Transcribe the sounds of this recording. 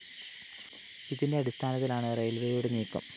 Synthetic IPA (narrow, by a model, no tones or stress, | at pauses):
iðinde̞ɐɽist̪ʰaːnɐt̪ːilaːɳɨrejlʋejuɽeniːkːɐ̰m